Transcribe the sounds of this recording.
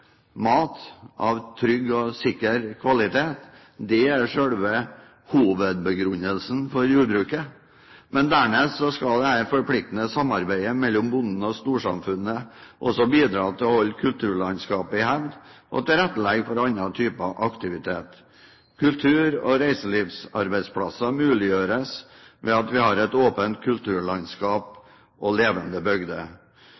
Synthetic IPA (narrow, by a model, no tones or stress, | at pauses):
mɑːt̪ʔɑ̰ʋt̪ʰɾʏɡːɔsɪkːəɾkʰʋɑlɪt̪ʰeːt̪ | d̪ɛæɾʂøːɽʋə | huːʋəd̪̚bəɡɾʉnəlsn̩fɔɾjuːɖbɾʉːkə | mɛnd̪æːɳeːsɔskɑld̪ɛhæɾfɔɾpʰlɪk̚t̪nəsɑmːɑɾbæɪəmɛlːɔmbʊnn̩ɔst̪uːʂɑ̰mfʉnːəʔɔsɔbiːd̪ɾɑːt̪ʰɪlɔhɔlːkʰʉlt̪ʰʉːɭɑnskɑːpɪhæʋd̪ʔɔ̰t̪ɪlɾæt̪ːəlɛɡfɔɾɑnɑt̪ʰyːpəɑʔɑkt̪ɪʋɪt̪ʰeːt̪ | kʰʉlt̪ʰʉːɾɔ̰ɾæɪsəliːʋsɑɾbæɪspʰlɑsɑmʉːlɪjøːɾəs | ʋɛɑt̪ʋɪhɑɾɛt̪oːpənt̪̚kʰʉlt̪ʰʉːɭɑnskɑːp | ʔɔleːʋənd̪əbœɡd̪ə̰